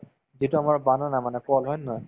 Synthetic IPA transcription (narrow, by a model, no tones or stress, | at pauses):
zituamaɹbanɔnamanɛkɔlɦɔjnɔj